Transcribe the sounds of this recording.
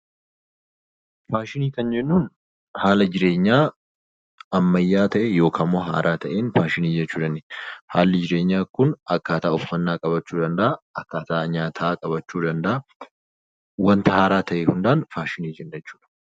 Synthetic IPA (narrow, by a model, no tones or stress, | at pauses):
faːʃɪniːkɐnd͡ʒɛnːuːn | haːlɐd͡ʒɪɾe̞ːɲːaː | ɐmːɐjːaːt̪ɐʔɛjo̞ːkʰaːmːoːɦa̰ːɾʔaːt̪ʰɐʔeːnfaːʃɪniːd͡ʒɛt͡ʃːuːᶑ̪ɐnːeha̰ːlːɪd͡ʒɪɾe̞ːɲːaːkʊnɐkːaːt̪aːʊfːɐnːaːkʼɐbɐt͡ʃːuːd̪ɐnd̪ɐʔɐɐkːaːt̪aʔːɲaːt̪ʰaaːkʼɐbɐt͡ʃːuːd̪ɐnd̪ɐʔɐ | wɐnt̪ɐhaːɾaːt̪ʰɐʔeːhʊnd̪aːnfaːʃɪniːd͡ʒɛnːɐɛt͡ʃːu̥ːᶑ̥ɐ̥